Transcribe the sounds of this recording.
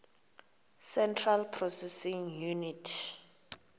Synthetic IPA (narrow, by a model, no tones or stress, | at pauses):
sɛntʰralpʰrɔsɛsiŋjunitʰ